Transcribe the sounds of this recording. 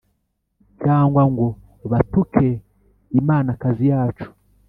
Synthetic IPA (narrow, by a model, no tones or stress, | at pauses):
t͡ʃaːŋɡwaŋɡo | βatukʰe | imaːnakazijaːt͡ʃu̥